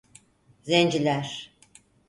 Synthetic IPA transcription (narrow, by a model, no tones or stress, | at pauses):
zend͡ʒilʲæɾ̥